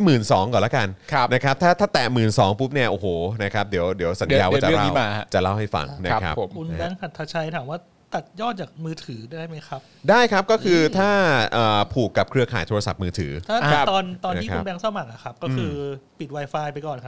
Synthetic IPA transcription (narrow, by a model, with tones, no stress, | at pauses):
mɯː˨˩nsɔː˩˦ŋkɔː˨˩laː˦˥ka˧nʰ˦na˦˥kʰa˦˥p̚t̪ʰaː˥˩t̪ʰaː˥˩t̪ɛː˨˩mɯː˨˩nsɔː˩˦ŋpʰu˦˥p̚ni˥˩ɐʔoː˨˩hoː˨˩na˦˥kʰa˦˥p̚di˩˦əwdi˩˦əwsa˩˦njaː˧waː˧˩a˩˨la˥iː˦˩wmaː˧t͡ɕa˨˩la˥˩wha˥˩jfa̰˧ŋna˦˧kʰa˦˥pʰkʰu˧nbɛː˧ŋsʰa˨˩t̪ʰːa˧t͡ɕʰa˧jt̪ʰaː˩˦mwaː˥˩ | t̪a˨˩t̪̚jɔː˥˩t̪̚t͡ɕaː˨˩k̚mɯː˧t̪ʰɯː˩˦daː˥˩jma˦˥jkʰa˦˥p̚daː˥˩jkʰa˦˥p̚kɔ˥˩kʰɯː˧t̪ʰaː˥˩ʔɤː˨˩pʰuː˨˩kːa˨˩p̚kʰɾɯ˧ɐkʰaː˩˦jt̪ʰoː˧ɾa˧sa˨˩p̚mɯː˧t̪ʰɯː˩˦t̪ʰaː˥˩˧t̪ɔː˧nt̪ɔː˧nʰ˦˧i˥kʰu˧˦˥nbɛː˧ŋsɔː˥˩ma˨˩k̚a˨˩kʰa˦˥p̚kɔː˥˩kʰɯː˧pi˨˩wa˧jfaː˧jpa˧jkɔː˨˩nkʰa˦˥